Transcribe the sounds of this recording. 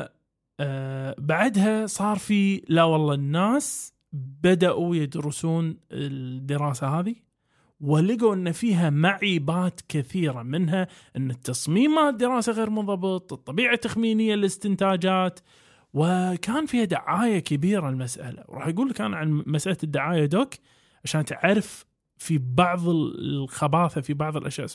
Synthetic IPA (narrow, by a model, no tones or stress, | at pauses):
baʕad̪ɦasˤɑːɾˤfilawɑlˤːɑnːaːs | bad̪aʔujɪd̪ɾɪsuːnɪd̪ːɪɾɑːsahaːði | wɪlɪɡuʔɪnːafiːɦamaʕiːbaːt̪kɪθiːɾamɪnɦaʔɪnːat̪ːɑsˤmiːmːad̪ːɪɾɑːsaɣeːɾmʊnðˤɑbɨt̪ˤɨt̪ˤːɑbiːʕat̪ːaxmiːnɪjːallɪst̪ɪnt̪aːd͡ʒaːt̪ | wɪkaːnfiːhad̪aʕaːjakɪbiːɾalmasʔa̰la̰wɾˤɑ̰ːħjaɡuːlkaːnʕanmasʔalad̪ːaʕaːjad̪oːk | ʕaʃaːnt̪ʕaɾɪf | fibɑʕðˤɪllxabaːθafibɑʕðˤɪlʔa̰ʃja̰ːʔ